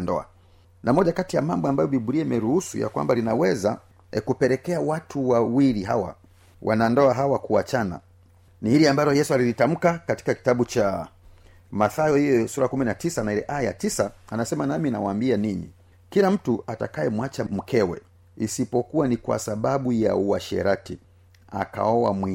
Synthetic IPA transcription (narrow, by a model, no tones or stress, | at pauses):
ndɔ̰a̰ | nʔamɔʄakatijamambɔambajɔɓiɓuɾiaimɛɾuhusṵja̰kwa̰mbalinawɛza | ɛkupɛɾɛkɛawatʰuwawiɾiɦa̰wa̰ | wʔa̰nandɔaɦawakuat͡ʃana̰ | nihiɾiambalɔjɛsualilitam̩kakati̥kaki̥taɓut͡ʃa | maθajɔhijɔsuɾakuminatisanailɛʔajatisaːnasɛmanamina̰waːmbianiɲḭ | kilam̩tuata̰kajɛmwat͡ʃam̩kʰɛwɛ̰ | isipɔkuwanikwa̰saɓaɓuja̰uaʃɛ̰ɾati | a̰ka̰ɔwa̰mwi